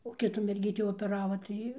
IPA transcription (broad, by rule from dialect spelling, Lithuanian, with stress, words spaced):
oː ˈkʲɪtuː mʲɛrʲˈɡʲiːtʲiː oːpʲɛˈrɑːʋɐ ˈtɐɪ